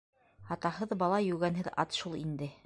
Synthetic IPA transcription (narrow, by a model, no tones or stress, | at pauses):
ɑt̪ɑɦɤðbɑlˠɑjʉɡænɦɘðɑ̰t̪ʃulˠind̪ɘ